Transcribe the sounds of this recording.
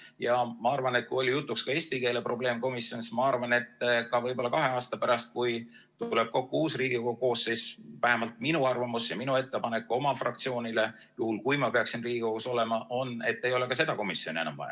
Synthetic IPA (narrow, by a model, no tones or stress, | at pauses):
jɑmɑɑrvɑne̞t̪̚kujo̞lʲijut̪ːukskɑe̞ːsʲt̪ike̞ːlepro̞ble̞ːmko̞misjo̞nsmɑɑrvɑne̞t̪ːˑkɑvɤjbo̞lːɑkɑɦe̞ɑːst̪ɑpæɾɑst̪̚kuj | t̪le̞b̥̚ko̞kːuuːsriːɡ̥ioouko̞ːsːesvæhe̞mɑlt̪̚minuɑrvɑmusjɑminue̞t̪ːe̞pɑne̞kːˑuo̞mɑfrɑ̰k̚t̪sio̞ːnʲile̞ | juhulkujmɑpe̞ɑksinriːɡ̥iko̞ɡ̥uso̞le̞mɑʔo̞ne̞t̪ːe̞jole̞kɑse̞d̪ɑko̞misjonʲie̞nɑ̰mvɑ̰jɑ̰